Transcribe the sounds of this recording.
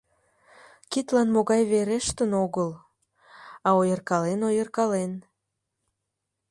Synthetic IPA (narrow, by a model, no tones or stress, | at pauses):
kit̪lɑnmoɣɑjβeɾeʃt̪ənoɣəl | ɑojərkɑlenojərkɑlen